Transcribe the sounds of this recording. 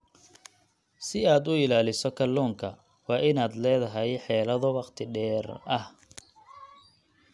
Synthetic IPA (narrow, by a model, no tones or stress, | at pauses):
sɪaːd̪ʊɪlaːlɪsɔkʰɐlːɔːŋkʰɐ | wɑːʔɪnaːd̪lɛːðɐɦɐjħɛːlɐðɔwɑqt̪ʰɪɖɛːrɐh